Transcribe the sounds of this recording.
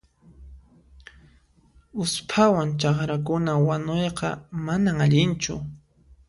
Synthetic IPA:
ʊspʰawant͡ʃɑχɾak̬ʊnawanojqɑ̰manaŋaʎɪnt͡ʃʊ̰

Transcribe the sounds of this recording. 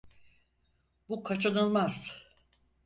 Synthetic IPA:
bukʰat͡ʃʰanɯlˠmaz̥

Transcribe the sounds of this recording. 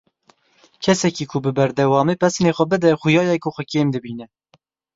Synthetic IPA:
kʰɛsɛkiːkʰʊbɨbɛɾd̪ɛwɑːmeːpʰɛsneːxʷɛbɨd̪ɛxʊjɑːjɛkʰʊxʷɛkeːmd̪ɨbiːnɛ

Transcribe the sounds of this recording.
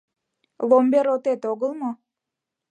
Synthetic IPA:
vombeɾot̪et̪oɣəlˠmo

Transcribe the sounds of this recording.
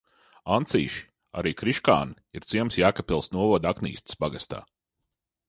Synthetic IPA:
ant̪siːʃi̥ | a̰ɾiːkɾiʃka̰ːniiɾt̪siɛmsjaːkapilˠsnuɔvɔd̪aknḭːst̪i̥sbaɡast̪a̰ː

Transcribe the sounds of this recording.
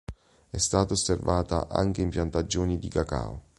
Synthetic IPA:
ɛst̪aːt̪aosːervaːt̪a̰ʔa̰ŋk̟eimpjant̪ad͡ʒːoːnid̪ikaka̰o̰

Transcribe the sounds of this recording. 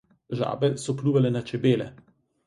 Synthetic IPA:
ʒa̰ːbɛsɔpluːʋalɛnat͡ʃɛbeːlɛ̰

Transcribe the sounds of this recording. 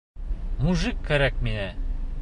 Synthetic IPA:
muʒɨkʰːæɾæk̚minæ

